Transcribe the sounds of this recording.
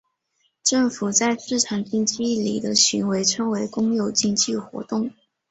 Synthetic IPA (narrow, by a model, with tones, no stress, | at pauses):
ʈ͡ʂɤ˥˩ŋfu˨˩t͡sa˥˧ɪʂɻ̩˥˩ʈ͡ʂʰɑ˨˩ŋt͡ɕi˥ŋt͡ɕi˥lḭ˨˩d̪ə˦ɕy˧˥nwe˧˥ɪʈ͡ʂʰɤ˥ŋwe˧˥ɪkʊ˥ŋjo˨˩ʊt͡ɕi˥˧ŋt͡ɕi˥˩xwɔ̰˧˥t̪ʊ˥˩ŋ